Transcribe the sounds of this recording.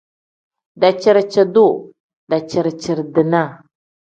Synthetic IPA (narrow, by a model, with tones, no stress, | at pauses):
da˨t͡ʃə˦˨ɾt͡ʃə˨du˦˨ | da˨t͡ʃi˨ɾt͡ʃə˨ɾdə˨na˦˨